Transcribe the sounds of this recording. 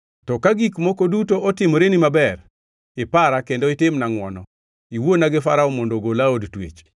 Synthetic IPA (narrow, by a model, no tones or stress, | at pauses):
tɔkaɡikmokodutoɔtɪmoɾenimabɛr | ɪpaɾakendɔɪtɪmnaŋwɔnɔ | iwonaɡɪfaɾaɔmondoɡolaodtwḛt͡ʃ